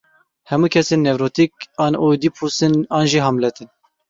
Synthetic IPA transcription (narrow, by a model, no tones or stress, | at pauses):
hɛmuːkʰɛseːnːɛvɾoːt̪ikɑːnoːd̪iːpʰusɨnɑːnʒiːɦɑmlɛt̪ʰɨn